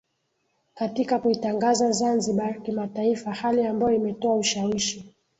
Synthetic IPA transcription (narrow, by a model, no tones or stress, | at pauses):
katikakuitaŋɡazazanziɓakimataifahaliambajɔimɛtɔauʃawiʃi